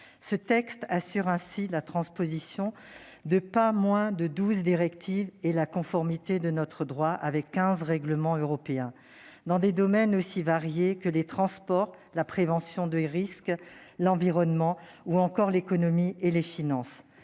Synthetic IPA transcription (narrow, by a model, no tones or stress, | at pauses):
sət̪ɛkst̪asyʁɛ̃silat̪χɑ̃spozisjɔ̃ | d̪əpamwɛ̃d̪əd̪uzd̪iʁɛkt̪ʰivelakɔ̃fɔʁmit̪ed̪ənɔt̪χəd̪ʁwaʔavɛkːɛ̃zʁɛɡləmɑ̃øʁɔpeɛ̃ | d̪ɑ̃d̪ed̪ɔmɛnosivaʁjekəlet̪χɑ̃spɔʁlapχevɑ̃sjɔ̃d̪əʁisklɑ̃viʁɔnmɑ̃ | uɑ̃kɔʁlekɔnɔmielefinɑ̃s